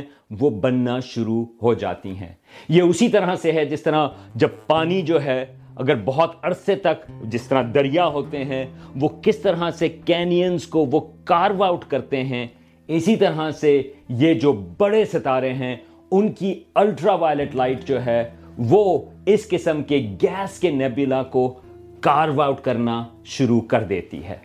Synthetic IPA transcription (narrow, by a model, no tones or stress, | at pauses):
ʋobɐnːaʃʊɾuɦod͡ʒa̰ːt̪ḭɦɛ̰̃ː | jeʊsit̪ɐɾaseɦɛd͡ʒɪst̪ɐɾad͡ʒɐb̚paːnid͡ʒoːɦɛ | ɐ̰ɡəɾbɔɦɔt̪ɐɽset̪ɐkd͡ʒɪst̪ɐɾad̪ɐɾijaɦoːt̪eɦɛ̃ʋokɪst̪ɐɾɦasekɛːnijənzkoʋokaːɾʋaʊʈkɐɾt̪eɦɛ̃ | ɪsit̪ɐɾɦasejed͡ʒoːbɐɽesɐt̪aːɾẽɦɛ̃ | ʊnkiɐlʈɾaʋaːjlɪʈlaːɪʈd͡ʒoːɦɛ | ʋoːɪskɪsə̃mkeɡɛːskenɛːbɪlako | kaːɾʋaːʊʈkɐɾna | ʃʊɾukɐɾd̪ḛːt̪ḭɦɛ̰ː